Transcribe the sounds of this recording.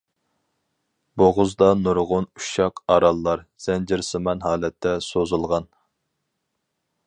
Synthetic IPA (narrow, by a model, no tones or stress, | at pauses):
boʁʊzd̪ɑnuɾʁʊnuʃɑqʰɑɾɑlˠːɑɾz̥ɛnd͡ʒɪɾsɨmɑnhɑːlɛt̪ʰːɛsozulˠʁɑn